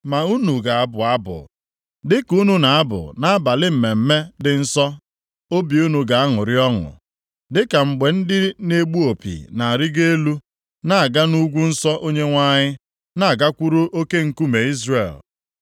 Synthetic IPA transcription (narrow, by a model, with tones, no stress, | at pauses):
ma˨u˦nu˨ɡa˨a˦bʊ˨a˦bʊ̰˨ | dɪ˦ku˦nu˦na˨a˦bʊ̰˨na˦a˦ba˨lɪ˦m̩˨me˨m̩˦me˦dɪ˨n̩˦sɔ˦ | o˦bi˨u˦nu˨ɡa˨a˦ŋʊ˨ɾɪ˦ɔ˦ŋʊ̰˨ | dɪ˦ka˨ŋ͡m̩˨ɡ͡be˨n̩˦dɪ˦ne˦ɡ͡bu˦o˨pḭ˨na˨a˨ɾɪ˦ɡe˦lu˦ | na˨a˨ɡa˦nu˦ɡʷu˦n̩˦sɔ˦ʔo˦ɲe˦ŋʷa˦ɲɪ˦ | na˦˨a˨ɡa˦kʷu˦ɾo˦ʔo˦ke˦ŋ̩˨ku˦me˨i˦zrḛ˨l